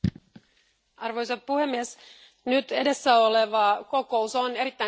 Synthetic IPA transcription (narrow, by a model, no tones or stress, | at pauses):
ɑrʋo̞jsɑppuhe̞mːies | nyt̪e̞de̞sːæo̞le̞ʋɑko̞ko̞uso̞ne̞ɾit̪ːæ